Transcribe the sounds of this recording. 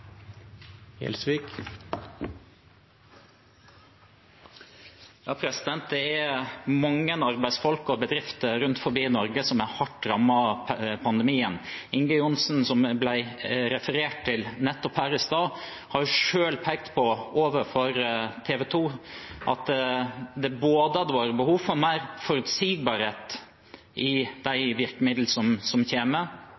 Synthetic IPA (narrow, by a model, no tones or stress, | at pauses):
ɛ̰lsʋiːk | jɑːpʰɾɛsɪd̪ɛnt̪̚d̪ɛæmɑŋːənɑɾbæɪsfɔlkɔbəd̪ɾɪft̪əɾʉnt̪fɔɾbiːnɔɾɡəsɔmæhɑʈːɾɑmːɑpʰɑnd̪ɛmiːənɪŋɡəʊnsn̩sɔmblæɪɾɛfəɾeːʈ̚t̪ɪlnɛt̪ːɔphæːɾɪst̪ɑː | hɑɾjʊʂøːlpʰæɪɡ̚t̪pʰɔʔoːʋəɾfɔɾt̪ʰeːʋɛt̪ʰuːʔɑ̰t̪ | d̪ɛboːd̪əɑd̪əʋɑːɾəbəhuːʋfɔɾmæɪɾfɔɾʉt̪siːɡ̚bɑːɾeːt̪ | ʔɪd̪æɪʋɪɾkəmɪd̪l̩sɔmsɔmçeːmə